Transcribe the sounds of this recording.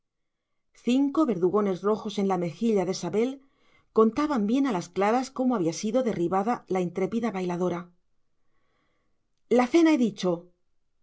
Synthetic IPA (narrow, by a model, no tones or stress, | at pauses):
θiŋko̞βe̞ɾðuɣo̞ne̞zro̞xo̞se̞nlame̞xiʎaðe̞saβe̞l | ko̞nt̪aβambje̞nalasklaɾasko̞moaβiasiðo̞ðe̞riβaðalaint̪ɾe̞piðaβajlaðo̞ɾa | laθe̞naeðit͡ʃo̞